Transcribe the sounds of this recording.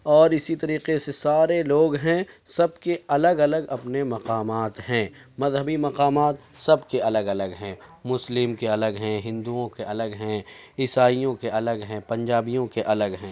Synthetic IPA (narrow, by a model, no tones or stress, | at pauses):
ɔːɾɪsit̪ɐɾiːqesesaːɾeloːɡɦɛ̃sɐb̚keɐləɡɐləɡɐpnemɐqaːmaːt̪ɦɛ̃mɐzɦəbimɐqaːmaːt̪sɐbkeɐləɡɐləɡɦɛ̃ːmʊslɪmkeɐləɡɦɛ̃ɦɪ̃nd̪uõkeʔɐləɡɦɛ̃ɪsaːijõkeʔɐləɡɦɛ̃pɐ̃ɲd͡ʒaːbijõkeʔɐləɡɦɛ̃ː